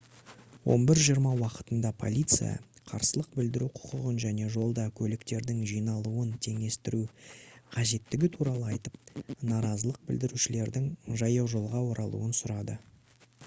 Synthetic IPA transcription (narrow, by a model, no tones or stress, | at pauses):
wo̞̰nbɪɾʒijəɾmɑwɑqə̥t̪ənd̪ɑpʰo̞̰lʲijt̪sɨ̰jɑ̰qʰɑ̰ɾsəlˠəq̚bɪld̪ɪɾuqʰʊ̥qʊʁənʒæne̞ʒo̞lˠd̪ɑkʲʰɵlɪkt̪e̞ɾd̪ɪŋʒijnɑlˠuənt̪ʰe̞ŋe̞st̪ɪɾuqʰɑʒe̞t̪ːɪɡʲɪt̪ʰuɾɑlˠəɑjt̪əp̚nɑɾɑzəlˠəq̚bɪld̪ɪɾuʃɪle̞ɾd̪ɪŋʒɑjɑwʒo̞lˠʁɑwo̞ɾɑlˠṵənsʊɾɑd̪ə